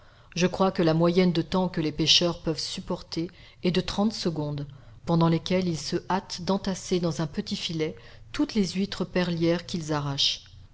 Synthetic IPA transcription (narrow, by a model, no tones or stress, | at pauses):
ʒəkχwakəlamwajɛnd̪ət̪ɑ̃kəlepeʃœʁpœvsypɔʁt̪eː | d̪ət̪χɑ̃t̪səɡɔ̃d̪ | pɑ̃d̪ɑ̃lekʲɛlilsəʔat̪d̪ɑ̃t̪ased̪ɑ̃zɛ̃pət̪ifilɛt̪ut̪lezit̪χəpɛʁljɛʁkʲilzaʁaʃ